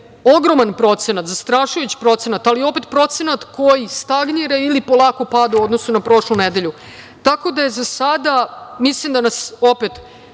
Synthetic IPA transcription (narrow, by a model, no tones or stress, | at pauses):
o̞ɡɾo̞manpɾo̞t̪se̞nat̪zast̪ɾaʃujut͡ɕi̥pɾo̞t̪se̞nat̪alio̞pet̪pɾo̞t̪se̞nat̪kʰo̞jist̪aɡniɾeilipo̞lˠaːkopad̪uo̞d̪no̞sunapɾo̞ʃluned̪e̞ʎu | t̪ako̞d̪aje̞zasad̪amislimd̪anaso̞pet̪